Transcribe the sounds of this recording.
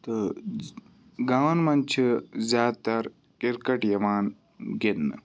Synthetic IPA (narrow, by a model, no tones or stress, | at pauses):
t̪ɨ | ɡaːwnmɐnt͡ʃʰɨzjaːd̪̚t̪ɐɾ | kiɾkɐʈjɐmaːn | ɡinː